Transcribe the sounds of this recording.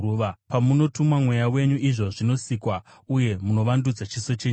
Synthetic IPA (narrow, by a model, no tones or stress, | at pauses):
uʋapamuno̞tumwamwejawe̞ɲuʔiʐo̞ʐino̞sikwa | uje̞muno̞ʋandud͡zat͡ʃiso̞t͡ʃeɲ